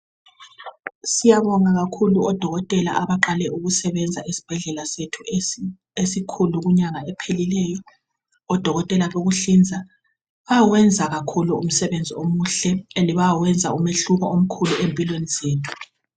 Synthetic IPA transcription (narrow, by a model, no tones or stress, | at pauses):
sijaβɔŋaɣakʰuluɔd̥ʱɔɣɔtʼɛla̰ʔaβaǃalɛʔuɣusɛβɛnd͡zʱaʔisi̥b̥ʱɛɮɛlasetʰu | esikʰuluɣuɲaŋaɛpʰelilɛːjɔ | ɔd̥ʱɔɣɔtʼɛlaβoɣuɬind͡zʱa | βawɛnd͡zʱaɣakʰuluum̩sɛβend͡zʱiomuɬɛeliβawɛnd͡zʱaumeɬuɣɔom̩kʰuluempʼilwenizeːtʰu̥